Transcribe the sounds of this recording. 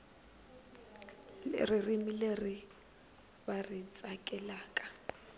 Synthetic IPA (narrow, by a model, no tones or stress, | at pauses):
rɪrimilerɪ | barit͡sʼakʼɛlaːkʼḁ